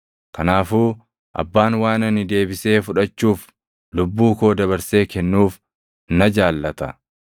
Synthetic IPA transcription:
kɐnaːfuː | ʔɐ̰bːaːnwaːnɐnɪd̪e̞ːbɪse̞ːfʊᶑɐt͡ʃːuːf | lʊbːuːko̞ːd̪ɐβɐɾse̞ːkɛnːuːf | nɐd͡ʒaːlːɐt̪ɐ

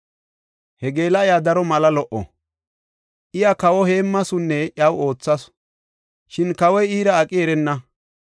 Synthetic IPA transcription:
hɛɡe̞ːlɐɪjaːd̪ɐɾɔmɐlɐlɔʔɔ̰ | ʔɪjakɐwɔhe̞ːmːɐsʊnːɛʔjɐwo̞ːt͡sːɐs | ʃɪnkɐwɔjiːɾɐːkʼɪɛɾɛnːɐ

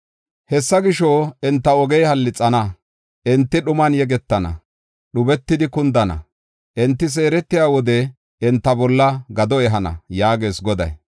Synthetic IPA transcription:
hɛsːɐɡɪʃɔɛnt̪ːɐɔɡɛjhɐlːɪt͡sʼːɐnɐ | ʔɛnt̪ːɪɗʊmɐnjɛɡɛt̪ːɐnɐ̰ | ɗʊbɛt̪ːɪd̪ɪkʊnd̪ɐnɐ̰ | ʔɛnt̪ːɪs̬e̞ːɾɛt̪ːɪjaːwɔd̪ɛ | ɛnt̪ːɐbɔlːɐɡɐd̪ɔɛɦɐnɐ̰jaːɡe̞ːsɡɔd̪ɐ̰j

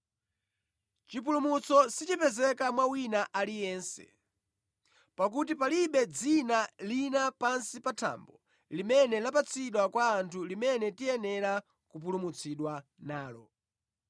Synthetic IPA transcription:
t͡ʃip̬ulumut͡sɔsit͡ʃipɛzɛkamwawinaʔalijɛːnsɛ̰ | pak̬utipaliɓɛd͡zinalinapansipatʰa̰mbɔ | limɛnɛlapat͡sʰiɗwakwaːntʰulimɛnɛtiɛnɛɾa | kup̬ulumut͡sʰiɗwa | naːlɔ̰

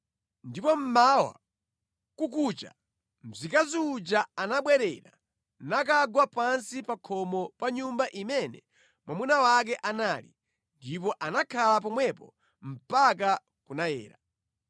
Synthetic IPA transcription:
ndipɔm̩mawa̰ | kuk̬ut͡ʃa̰ | m̩zikaziːd͡ʒaanaɓwɛɾɛ̰ɾa̰ | nak̬aɡwapansipakʰɔmɔpaɲumbaʔimɛnɛ | mwamunawak̬ɛʔanalḭ | ndip̬ɔʔanakʰalap̬ɔmwɛpɔ | m̩pak̬a | kunajɛ̰ːɾa

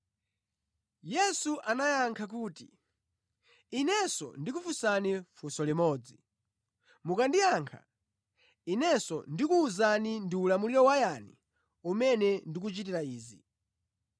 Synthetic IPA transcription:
jɛsuʔanajaŋkʰak̬uːti | inɛsɔ̰ndik̬ufusanifusɔlimɔːd͡zi | mukandijaŋkʰa̰ | inɛsɔ̰ndikuːzanindiulamuliɾɔwajanḭ | umɛnɛndik̬ut͡ʃitiɾaiːzi

